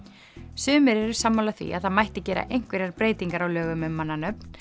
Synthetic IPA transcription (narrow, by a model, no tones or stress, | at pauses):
sʏːmɪɾɛɾʏ̥samːawlaθvḭaðθaðmajht̪ɪcɛːɾa̰ʔejŋ̥kvɛɾaɾpɾeːjt̪iŋkaɾawlœːɣʏmʏmːanːanœp̚n